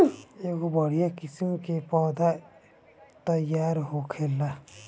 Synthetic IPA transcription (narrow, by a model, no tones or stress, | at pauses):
eɡobʱʌɽ̤ijakisimkepɔd̪ʱa | t̪ʌjːaɾɦokʰelːa